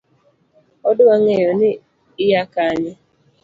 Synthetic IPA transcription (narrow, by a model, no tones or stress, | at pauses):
ɔdʊaŋejɔnɪ | ɪjakaɲɪ